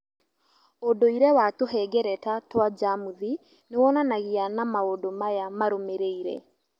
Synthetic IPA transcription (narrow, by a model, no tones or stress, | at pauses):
odoiɾɛwatoɦɛɡɛɾɛtatwad͡ʒamuði | newɔnanaɣianamaodomajamaɾomeɾeiɾɛ̰